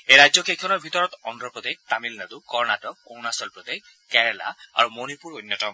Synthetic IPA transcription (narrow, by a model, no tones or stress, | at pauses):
ejɹajzɔkʰejkʰɔnɔɹbʱitɔɹɔt̪ɔndɹɔpɹɔd̪eɡ̚t̪amilnad̪ukɔɹnatɔownasɔlpɹɔd̪eɡ | kɛɹla̰a̰ɹumonipuɹonːjɔtɔm